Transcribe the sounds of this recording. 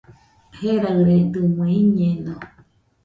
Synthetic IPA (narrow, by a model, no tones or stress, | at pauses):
heɾaɾed̪ɨmũiɲẽnõ